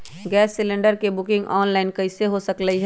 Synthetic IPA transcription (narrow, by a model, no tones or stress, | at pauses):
ɡɛːsːɪlẽɳɖəɾkebʊkɪ̃ŋɡɔːnlaːɪnkɐɪseɦosɐkləiɦɛ